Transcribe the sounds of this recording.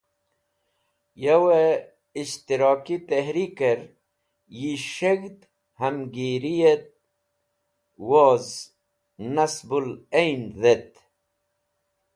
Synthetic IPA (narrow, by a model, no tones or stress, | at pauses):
jewe | iʃt̪iɾoːkit̪eɦɾikeɾ | jiʃeɡd̪ | hamɡiɾijet̪̚ | woz | nasbulejnðet̪